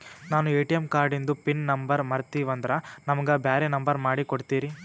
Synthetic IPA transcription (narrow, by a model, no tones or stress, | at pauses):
naːnueːʈijɐmkaːɾɖind̪upinnɐmbɐɾmɐɾt̪iːʋɐnd̪ɐɾɐnɐmɐɡɐbjaːɾinɐmbɐɾmaːɽikoɽt̪iːɾi